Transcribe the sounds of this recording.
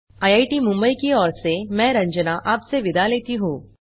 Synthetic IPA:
aːjaːiʈimʊ̃mbəikiɔːɾsemɛ̃ːɾɐ̃ɲd͡ʒnaʔaːpseʋɪd̪ʱaleːt̪iɦũː

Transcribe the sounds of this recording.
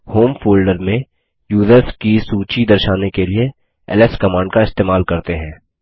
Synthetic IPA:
hoːmfoːlɖəɾmẽ | juːzəɾskisuːt͡ʃid̪ɐɾʃaːnekelie | ɛ̰lɛskɐmãːɳɖkaɪst̪eːmaːlkɐɾt̪eɦɛ̃ː

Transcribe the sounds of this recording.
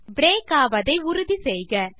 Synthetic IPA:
bɾeːkaːʋɐðɐɪʊɾʊðisɛjɣɐ

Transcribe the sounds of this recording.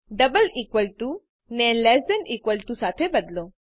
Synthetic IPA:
ɖəbəlikʋəlʈu | nɛnlɛsdɛnikʋəlʈusat̪ʰebəd̪lo

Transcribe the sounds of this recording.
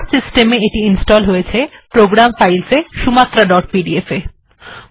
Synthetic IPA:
sisʈemeeʈiinsʈɔlɦojet͡ɕʰepɾoɡɾamfajlseʃumat̪ːɾaɖɔʈ̚piɖiefe

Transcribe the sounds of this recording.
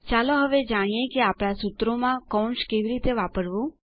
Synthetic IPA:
t͡ʃaloɦəʋed͡ʒaɽ̃ijekeapɽ̃asut̪ɾomãkɔ̃ɳskeʋiɾit̪eʋapəɾʋũ

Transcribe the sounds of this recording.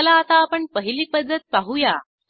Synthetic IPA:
laːt̪aːpəɳpəɦiliːpəd̪ːət̪̚paɦuja

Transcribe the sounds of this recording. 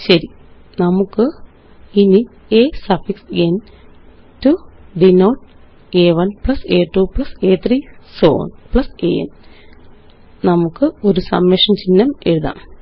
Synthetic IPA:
ɕɐɾi | nɐmukːɨ | ini | eːsɐfiksen | tuɖinoːʈ̚ | eːʋɐnpɭɐseːʈːupɭɐseːt̪riːso̰ːnpɭɐsḛːḛn | nɐmukːɨo̞ɾusɐ̰mjɐʂɐmt͡ɕinːɐme̞ɻuða̰ːm

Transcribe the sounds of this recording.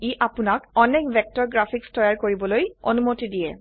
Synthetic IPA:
iʔapunakɔnɛkbʱɛk̚tɔɹɡɹapʰikstɔjaɹkoɹibɔlojo̰numotidijɛ̰

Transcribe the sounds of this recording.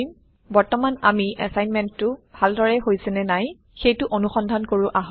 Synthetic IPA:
im | bɔɹtɔmana̰miɛ̰sajnmɛntːʊbʱaldɔɹɛɦojsɛnɛnaj | xejtʊʔonuxɔndʱankoɹʊʔaɦɔ

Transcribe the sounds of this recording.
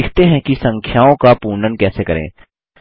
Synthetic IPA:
ɪkʰt̪eɦɛ̃kisɐ̃ŋkʰjaːõkapuːnənkɛːsekɐɾḛ̃ː

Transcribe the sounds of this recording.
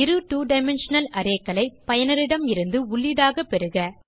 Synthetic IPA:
ɪɾɯʈuːɖɐɪmɛnʂɐnɐlɐɾeːkːɐlɐɪpɐjɐnɐɾɪɽɐmɪɾɯnd̪ɯʊɭːɪðaːɣɐpːɛɾɯɣɐ

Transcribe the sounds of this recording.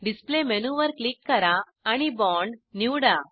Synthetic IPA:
ɖispleːmenuːʋɐɾklikːɐɾãː | ɐnibɔːɳɖnjuːɽaː

